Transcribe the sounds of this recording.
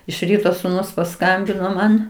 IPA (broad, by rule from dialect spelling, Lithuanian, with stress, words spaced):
ɪʃ ˈrʲiːtoː sʊˈnʊs pɐˈskɐmʲbʲɪnoː ˈmɐn